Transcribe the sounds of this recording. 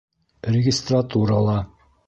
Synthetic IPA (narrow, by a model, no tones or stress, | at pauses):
rʲɪɡʲɪst̪rat̪uɾəlˠɑ